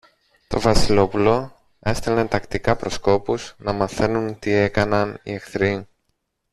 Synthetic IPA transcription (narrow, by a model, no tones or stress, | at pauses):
t̪o̞vɐsilo̞pulo̞ | e̞st̪elet̪ɐkt̪ikɐpɾo̞sko̞puznɐmɐθe̞nunt̪ie̞kɐnɐnḭexθɾi